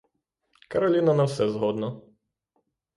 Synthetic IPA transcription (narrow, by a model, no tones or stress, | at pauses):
kɐɾɐlʲinɐnɐwsɛzɦɔd̪nɔ